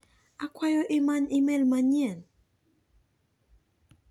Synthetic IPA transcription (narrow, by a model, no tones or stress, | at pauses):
akwajɔʔɪmanɪmɛlmaɲjɛn